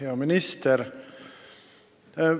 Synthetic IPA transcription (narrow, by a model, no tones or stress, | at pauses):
eɔmɪnɪst̪ʰəɾ